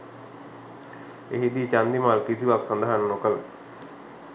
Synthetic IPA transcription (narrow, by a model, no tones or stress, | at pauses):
eɦid̪it͡ɕand̪imalkisibaksənd̪ʱaɦənnokəl